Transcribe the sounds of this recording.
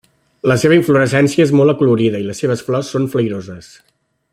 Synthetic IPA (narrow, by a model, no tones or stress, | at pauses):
ləseβ̞əiɱfluɾəsɛnsiəezmolˠəkuluɾiðəiləsːeβ̞əsflɔsːonfləjɾozəs